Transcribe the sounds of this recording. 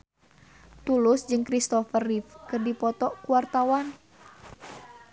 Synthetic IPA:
t̪ulʊsd͡ʒɨŋkɾist̪ɔfərifkɨrdipɔt̪ɔkuwart̪awan

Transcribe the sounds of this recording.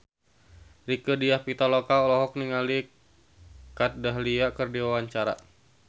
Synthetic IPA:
rikədiahpit̪alokaɔlɔɦɔk̚niŋali | kat̪̚daɦliakərdiwawaɲt͡ʃaɾa̰

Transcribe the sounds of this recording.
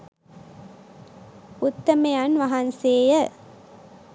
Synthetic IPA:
ʊt̪ːɐmɐjanʋɐɦɐnseːjɐ

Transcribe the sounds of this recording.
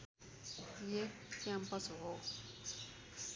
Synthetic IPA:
jekkampʌsɦo

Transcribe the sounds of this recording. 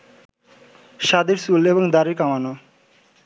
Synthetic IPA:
ʃad̪iɾsuleboŋd̪aɾiɾkamano

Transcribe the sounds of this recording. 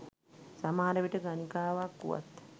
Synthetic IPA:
samaːɾəʋiʈəɡanikaːʋakːṵʋa̰t̪

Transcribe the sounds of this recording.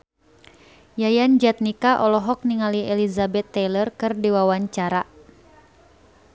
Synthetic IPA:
jajand͡ʒɛt̪̚nikaʔɔlɔɦɔk̚niŋaliɛlizabɛt̪ːɛlərkɨrdiwawaɲt͡ʃaɾa

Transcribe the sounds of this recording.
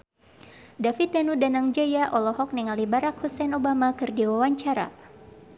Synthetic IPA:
dafit̪̚danudanaŋd͡ʒajaʔɔlɔɦɔk̚niŋalibaɾakhusɛnobamakɨrdiwawaɲt͡ʃaɾa̰

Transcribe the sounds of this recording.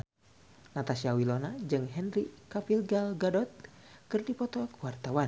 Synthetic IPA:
nat̪asiawilɔnad͡ʒɨŋɦɛnrikafilɡalɡadɔt̪̚kɨrdipɔt̪ɔkwart̪awan

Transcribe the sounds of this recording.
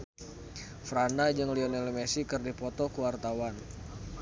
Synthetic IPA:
fɾandad͡ʒəŋliɔnɛlmesikɨrdipɔt̪ɔkuwart̪awan

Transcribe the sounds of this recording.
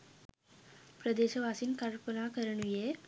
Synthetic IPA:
pɾəd̪eɕəʋasiːnkaɾpənakəɾəɳʋije

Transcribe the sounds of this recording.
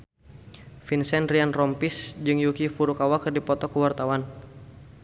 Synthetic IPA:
finsɛnrianrɔmpisd͡ʒɨŋjukifuɾukawakɨrdipɔt̪ɔkuwart̪awan

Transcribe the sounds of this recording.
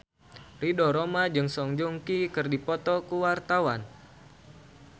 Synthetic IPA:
ridɔɾomad͡ʒɨŋsɔŋd͡ʒɔŋkikɨrdipɔt̪ɔkuwart̪awan

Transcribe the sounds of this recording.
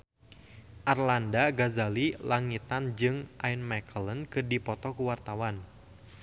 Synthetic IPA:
ʔarlandaɡazalilaŋit̪and͡ʒɨŋʔajnmakələnkɨrdipɔt̪ɔkuwart̪awan

